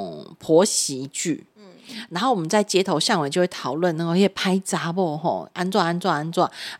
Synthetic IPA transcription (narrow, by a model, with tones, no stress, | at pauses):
pʰɔ˨˧˥ɕi˨˧˦t͡ɕy̰˥˩na˧˥nxo˥˩ʊwmə˦nt͡sa˥˩ɪt͡ɕjɛ˥t̪ʰo˧˥ʊɕja˥˩ŋwe˨˩t͡ɕo˥˧we˥˩t̪ʰɑ˨˩ʊlwə˥˨na˥˧ko˧˦jɛ˥˩pʰa˥ɪt͡sa˧˥bɔ˥˩ɦɔ̰˥˧ʔa˥nt͡swa˥˧ŋa˥nt͡swa˥˧ŋa˥nt͡swa˥˩ŋ